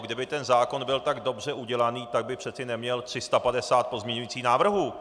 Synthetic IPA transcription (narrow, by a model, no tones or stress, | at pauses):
ɡdɪbɪt̪ɛnzaːko̞nbɪlt̪aɡdo̞br̝ɛʔuɟɛlaniːt̪aɡ̚bɪpr̝̥ɛt͡sɪnɛmɲɛlt̪r̝̥ɪst̪apadɛsaːt̪̚po̞zmɲɛɲujiːt͡siːxnaːvr̩ɦuː